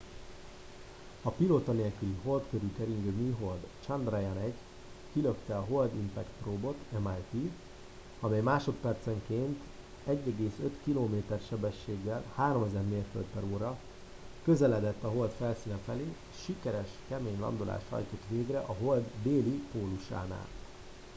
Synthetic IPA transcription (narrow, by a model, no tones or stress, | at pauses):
ɒpiloːt̪ɒneːlkyliɦo̞lt̪køɾykɛɾiŋɡømiːɦo̞ld̪t͡ʃɒnd̪rɛjɛnɛɟ | kiløkt̪ɛɒɦo̞ld̪impɛkt̪roːbo̞t̪ɛmaːjt̪i | ɒmɛjmaːʃo̞t̪pɛrt̪sɛŋkeːnt̪ | ɛɟːɛɡeːsøt̪kiloːmeːt̪ɛrʃɛbɛʃːeːɡːɛlhaːɾo̞mɛzɛrmeːrfølt̪̚pɛɾoːɾɒ | kø̞zɛlɛd̪ɛt̪ːɒɦo̞lt̪fɛlsiːnɛfɛleː | ʃikɛɾɛʃkɛmeːɲlɒ̰nd̪olʔa̰ːʃt̪hɒ̰jt̪o̞t̪ʋeːɡrɛʔɒɦo̞ld̪d̪eːlipoːluʃa̰ːna̰ːl